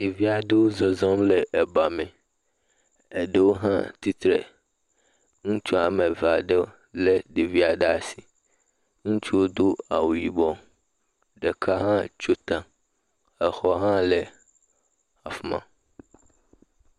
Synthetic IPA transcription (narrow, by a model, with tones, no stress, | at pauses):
de˨vi˦a˨ɖe˦wo˦zɔ˨zɔ̃˦mle˨ʔɛ˨ba˨me˨ | e˨ɖe˦wo˦ɦã̰˦t̪i˦t̪ɾḛ˨ | ŋũ˦t͡ʃu˦a˨mẽ˨va˨ɖe˦ | le˦ɖe˨vi˦a˨ɖe˦a˨si˨ | ŋũ˦t͡ʃu˦wo˦d̪o˦a̰˨wu˨ji˨bɔ˦ | ɖe˨kʰa˦ɦã˦t͡ʃo˦t̪ã˨ | ɛ˨xɔ˦ɦã˦le˨ | a˨fmã̰˨